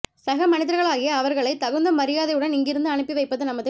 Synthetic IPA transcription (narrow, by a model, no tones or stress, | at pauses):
sɐɣɐmɐnɪðɐɾɣɐɭaːɣɪjɐːʋɐɾɣɐɭɐɪt̪ɐɣɯnd̪ɐmɐɾɪjaːðɐɪjɯɽɐnɪŋɡɪɾɯnd̪ɯɐɳɯpːiʋɐɪpːɐðɯnɐmɐðɯ